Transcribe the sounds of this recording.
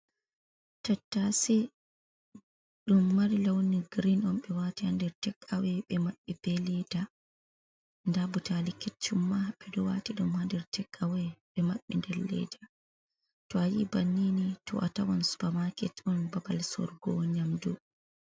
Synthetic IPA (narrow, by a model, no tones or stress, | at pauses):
tatːasɛ | ɗumːaɾilawniɡɾinɔmɓɛwatihandɛɾtɛkʼːawɛɓɛmaɓːib̥ɛlɛda | ndabutalikɛt͡ʃːumːaɓɛdɔwatiɗumhandɛɾtʰɛkʼːawɛɓɛmaɓːḭndɛɾlɛ̰da | tɔajibanːinitɔ̰ʔatawansu̥pamakɛtɔnbabalsɔ̰ɾɡɔɲamdu